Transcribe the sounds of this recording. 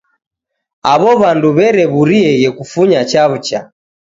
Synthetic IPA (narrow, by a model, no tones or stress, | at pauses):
aβɔβanduβɛɾɛβuɾiɛɣɛkufuɲat͡ʃaβut͡ʃa